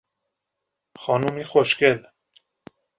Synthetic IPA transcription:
xɑːnumiːxoʃkɛl

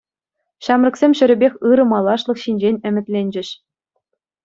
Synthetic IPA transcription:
ɕɑmrɤ̆ksʲemʲɕɘ̆ɾʲɘ̆bʲexʲɯɾɤ̆mɑlˠɑʂlˠɤ̆χɕinʲd͡ʑenʲɘ̆mʲɘ̆t̪ʲlʲenʲd͡ʑɘ̆ɕ

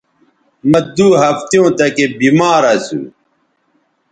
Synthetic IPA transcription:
mɐd̪uːɦɐft̪jõːt̪ɐkebimaːɾɐsṵ

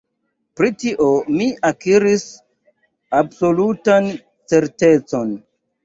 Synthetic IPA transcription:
pɾitiʔomiʔakiɾis | abso̞lutan | t͡se̞ɾte̞t͡so̞n

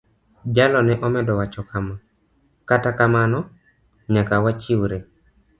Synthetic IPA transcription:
d͡ʒalɔnɛʔɔmɛdɔwat͡ʃɔkama | katakamanɔ | ɲakawat͡ʃɪwɾe

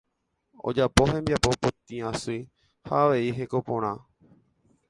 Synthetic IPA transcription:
o̞̰d͡ʒapo̞ɦẽ̞mbjapo̞pot̪ĩãsuj | haːʋe̞iɦe̞ko̞põɾ̃ã

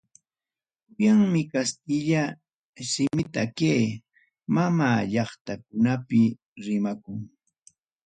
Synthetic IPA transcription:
jaŋmɪkast̪ɪʎa | sɪmɪt̪akeː | mamaːʎɑχt̪akʊnapɪ | ɾɪmakʊŋ

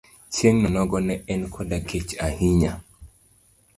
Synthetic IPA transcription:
t͡ʃjeŋnɔnɔɡɔnɛɛnkʰɔdakʰet͡ʃahiɲa

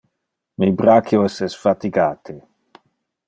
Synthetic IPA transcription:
mibɾakjoɛsɛsfat̪iɡaːt̪ʰe

